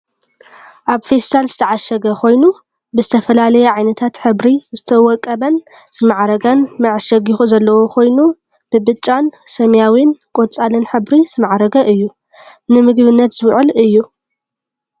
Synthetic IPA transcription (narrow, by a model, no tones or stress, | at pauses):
ʔaβfest̪alzɨt̪ʰɐʕaʃɐɡɐkʰo̞jnu | bɨzɨt̪ʰɐfɐlalɐjɛʕajnɐt̪ʰat̪ħɨβɾizɨt̪ʰɐwɔkʼːɐβɐn | z̥ɨmaʕɾɐɡɐnmɐʕʃɐɡixuzɐlːɐwo̞kʰo̞jnu | b̥ɨbɨt͡ʃʼːansɐmjawinkʼot͡sʼalɨnħɨβɾiz̥ɨmaʕɾɐɡɐʔɨjːu | nɨmɨɡbɨnːɐt̪z̥ɨwʕɨlɨjːu